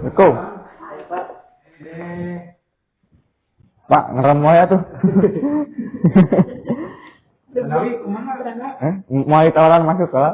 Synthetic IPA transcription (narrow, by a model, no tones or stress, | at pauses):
əko | pa̰ʔŋəɾəmːojat̪u | əmoalit̪alanmasukala